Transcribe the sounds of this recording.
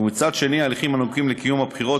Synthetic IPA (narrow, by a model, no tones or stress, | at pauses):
umit͡sad̪ʃe̞nialiχimanukimlekijumhabχiʁo